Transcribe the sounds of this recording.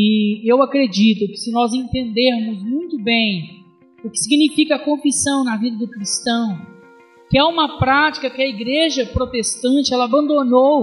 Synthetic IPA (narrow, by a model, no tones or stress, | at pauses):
ɪewakɾed͡ʒit̪ʊkɪ̥sɪnɔzẽnt̪ẽnd̪eɾmʊzmũj̃t̪ʊbẽj̃ | ʊkɪ̥siɡinifikɐːkõfisɐ̃w̃nɐvid̪ɐd̪ʊkɾist̪ɐ̃w̃ | kɪɛũmɐpɾat͡ʃi̥kɐkɪɐiɡɾeʒɐpɾot̪est̪ɐ̃t͡ʃɪɛlɐabɐ̃nd̪onow